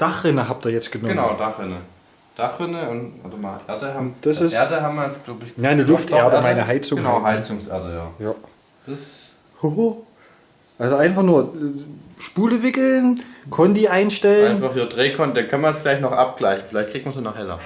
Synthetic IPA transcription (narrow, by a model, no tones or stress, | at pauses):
d̥aχʁɪnəɦap̚tiːɐjɛt͡stɡ̥ənɡənaʊd̥aχʁɪnə | d̥aχʁɪnəʊna̰domaʔeɐdəhaʊnd̥asɪseɐdəɦamɐɛsɡ̥laʊbçnanəlʊftʔeːɐdəmaɪnəɦaɪt͡sʊɡənaʊɦaɪt͡sʊŋsʔḛɐdəja̰ːjaː | d̥s | ho | ʔalzoʔaɪnfaχnuːɐɛʃpuːləvɪkl̩nkʰɔndiʔaɪnʃtɛləaɪnnfaχhiːdʁeːkʰɔndakʰanmansɡ̥laɪçnɔχʔap̚ɡ̥laɪçn̩fɪlaɪçtkʰːʁiːtmɐnzonahɛla̰